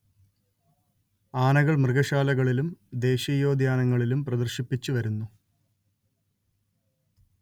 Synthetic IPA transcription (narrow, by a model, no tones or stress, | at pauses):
aːnɐɣɐɭmrɨɣɐɕaːlɐɣɐɭilumd̪e̞ːɕɐjo̞ːd̪ʱjaːnɐŋːɐɭilumprɐd̪ɐrɕipːit͡ɕːuʋɐɾunːu